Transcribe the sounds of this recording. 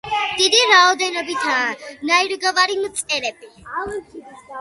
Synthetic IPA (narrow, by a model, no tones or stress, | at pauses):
d̪̥id̪iɾaɔd̪ɛnɔbit̪ʰaːnaiɾɡavaɾimt̪sʼɛɾɛb̥i